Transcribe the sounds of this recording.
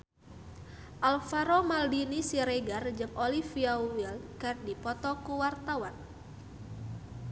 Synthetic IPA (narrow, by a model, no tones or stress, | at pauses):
ʔalfaɾomaldinisiɾeɡard͡ʒəŋolifiawilkərdipɔt̪ɔkuwart̪awan